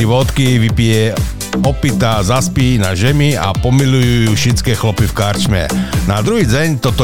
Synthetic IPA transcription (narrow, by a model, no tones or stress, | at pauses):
iʋɔt̪kiʋipiɛ | ɔpit̪azaspiːnaʒɛmia̰pɔmilujujuːʃit͡skɛːxlɔpifkaɾt͡ʃmɛ̰nad̪ɾuɦiːd͡zɛɲt̪ɔt̪ɔ